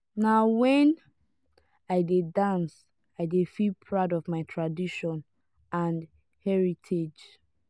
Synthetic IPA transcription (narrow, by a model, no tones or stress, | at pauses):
nawɛ̃n | aɪdedãns | aɪdefilpʰɹaʊdɔvmaɪtʰɹadiʃɔ̃n | ãn | hɛɹitʰed͡ʒ